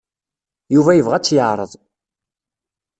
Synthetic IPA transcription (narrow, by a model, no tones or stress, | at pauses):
juvæjəvʁæt͡sːjəʕɾˤəðˤ